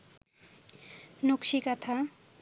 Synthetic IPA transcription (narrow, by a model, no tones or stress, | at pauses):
nukʃikat̪ʰa